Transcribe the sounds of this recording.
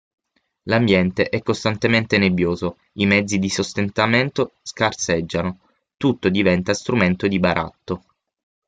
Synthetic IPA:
lambjɛnt̪eʔɛkːost̪ant̪ement̪enebjoːzo | imɛd̪zːid̪isost̪ent̪ament̪oskarsed͡ʒːano | t̪ut̪ːod̪ivɛnt̪ast̪ɾument̪od̪ibaɾʔa̰t̪ːo

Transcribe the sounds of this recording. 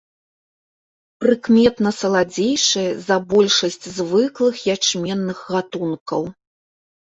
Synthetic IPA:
pɾɨkmʲɛt̪nɐsɐlˠad͡zʲejʂɐjɛzɐbɔlʲʂɐsʲt͡sʲzvɨklˠɨxjat͡ʂmʲɛnːɨxɣat̪unkɐw

